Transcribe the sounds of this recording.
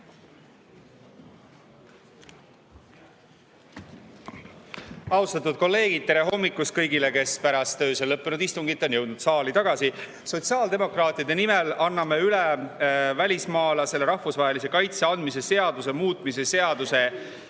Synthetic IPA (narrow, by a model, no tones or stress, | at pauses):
ɑwst̪ɑt̪ːud̪̚ko̞lːe̞ːɡ̥id̥̪̚t̪e̞ɾe̞ɦo̞mːikːˑuskɤjɡile̞ke̞spæɾɑst̪ːø̞ːselɤpːenud̪̥ist̪uŋɡit̪ːˑo̞njɤ̞wd̪nud̪̥sɑːlit̪ɑɡ̥ɑsi | so̞t̪siɑːld̪e̞mo̞krɑːt̪ːˑiɑd̪e̞nimelɑnːɑmeylevælʲismɑːlɑse̞lːe̞ɾɑhfusvɑɦe̞lis̬e̞kɑjt̪seɑnd̪mis̬e̞se̞ɑd̪use̞muːt̪ˑmis̬e̞se̞ɑd̪̥use̞